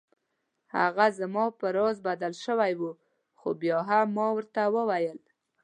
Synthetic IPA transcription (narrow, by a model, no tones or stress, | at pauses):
ha̰ɣazəmɑpəɾɑzbad̪alʃəwajwu | xobjɑɦamːɑwəɾt̪awəwajəl